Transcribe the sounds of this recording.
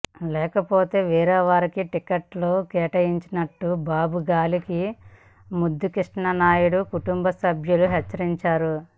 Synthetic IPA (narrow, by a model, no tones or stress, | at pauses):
lɛːkɐpo̞ːt̪e̞ːʋiːɾɐːʋaːɾikiʈikɐʈloːkɛːʈɐjiɲt͡ʃinɐʈːubaːbʱuɡaːliki | mud̪ːukiʂɳɐnaːjuɽukuʈumbɐsɐbʱjuluɦɛt͡ʃːɐɾiɲt͡ʃaːɾu